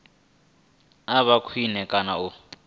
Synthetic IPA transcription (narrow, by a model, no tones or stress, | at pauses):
aβakʰwinɛkʼanau